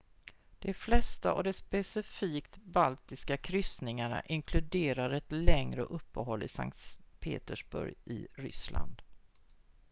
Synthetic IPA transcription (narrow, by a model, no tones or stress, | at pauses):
d̪̥ɛflɛst̪aʔɔ̰d̪ɛspɛsɪfiːkt̪balt̪ɪskakʰɾʏst̪nɪŋaɳa̰ʔɪŋkʰlɵd̪eːɾaɾɛt̪lɛŋɾəɔʔɵpːəɦɔlːɪsa̰ŋkt̪pʰḛːt̪əʂbɵ̰ɾjʔɪ̰ɾʏ̰sla̰nd̪